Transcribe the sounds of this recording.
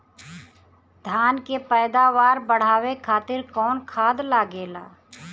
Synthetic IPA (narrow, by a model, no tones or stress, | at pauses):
d̪ʱjaːnkepɛːd̪aːʋaːɾbəɽ̤aːʋekʰaːt̪ɪɾkɔːnkʰaːd̪laːɡeːla̰ː